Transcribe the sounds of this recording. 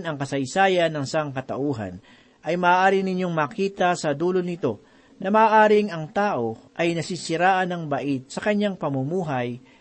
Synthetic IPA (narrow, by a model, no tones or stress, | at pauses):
nɐŋkɐsɐjsaːjɐnːɐŋsaŋkɐt̪ɐʔuːɦɐ̰n | ʔɐjmɐʔːʔaːɾɪnɪɲo̞ŋmɐːkiːt̪ɐsɐd̪uːlonɪt̪o̞ | nɐmɐʔːʔaːɾɪŋɐŋt̪aːʔo̞ʔɐjnɐsiːsɪɾaːʔɐnɐŋbɐʔit̪̚sɐkɐɲːaŋpɐmumuːɦɐj